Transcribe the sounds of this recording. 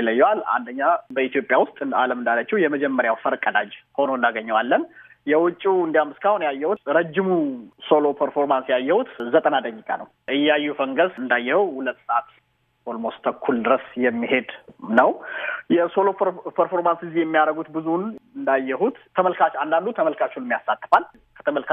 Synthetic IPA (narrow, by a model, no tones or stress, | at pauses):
iləjːɛwala̰nd̪əɲːabəit̪ijopʼjawʊst̪ʼa̰ləmɨnd̪alːət͡ʃːɛwjɛməd͡ʒɛmːəɾjawfəɾkʼəd̪ad͡ʒho̞noɨnd̪aɡəɲːɛwalːən | jɛwʊt͡ʃʼːuɨnd̪ijamːɨskʰahunjajːɛhut̪ɾəd͡ʒːɪmuso̞lo̞pʰəɾfo̞ɾmansjajːɛhut̪zət̪ʼənad̪əɲːikʼa̰nəw | ʔɨjːajːɛfəŋɡəsɨnd̪ajːɛhəwhulət̪ːsəʔat̪ | holmost̪ʰəkʰːuld̪ɨɾəsjɛmːiɦe̞d̪nəwjɛsolopʰəɾfo̞ɾmansizjɛmːijaɾəɡut̪bɨzunɨnd̪ajːɛhut̪ʰːəməlkʰat͡ʃand̪and̪ut̪ʰəməlkʰat͡ʃunmjasːat̪ːɨ̥fal | kʰə̥t̪ʰəməlkʰa